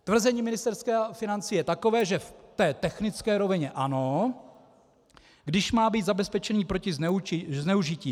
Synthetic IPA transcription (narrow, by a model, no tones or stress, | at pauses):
t̪vr̩zɛɲiːmɪnɪst̪ɛɾskɛːfɪnant͡siːjɛt̪akovɛːʒɛft̪ɛːt̪ɛxnɪt͡skɛːɾovɪɲɛʔano | ɡdɪʃmaːbiːd̪zabɛspɛt͡ʃɛniːpɾocɪɪznɛuʒɪciː